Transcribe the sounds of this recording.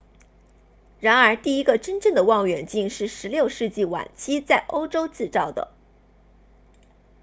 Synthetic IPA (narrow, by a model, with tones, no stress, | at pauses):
ɻa˧˥nə˞˧˥t̪i˥˩i˥ɡə˧ʈ͡ʂə˥nʈ͡ʂɤ˥˩ŋd̪ə˩wɑ˥˩ŋɥɛ˨˩nt͡ɕi˥˧nʂɻ̩˥˩ʂɻ̩˧˥ljo˥˧ʊʂɻ̩˥˧t͡ɕi˥˩wa̰˨˩nt͡ɕʰi˥t͡sa˥˩ɪʔo˥ʊʈ͡ʂo˥ʊt͡sɹ̩˥˧t͡sɑ˥˩ʊd̪ə̰˩